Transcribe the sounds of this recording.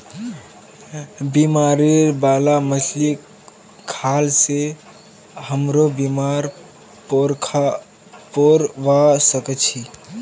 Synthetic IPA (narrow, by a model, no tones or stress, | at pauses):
bimaɾeɾbalaməslik | kʰalse | həmɾobimaɾ | poɾkʰ | poɾʋasəkət͡ʃʰi